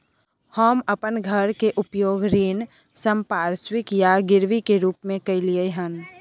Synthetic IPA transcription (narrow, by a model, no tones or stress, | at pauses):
həməpənɡʱəɾkeʔʊpjoːɡɾiːn | səmpaːɾswɪkjaɡɪɾʋikeɾuːpmẽkɐiliəɦən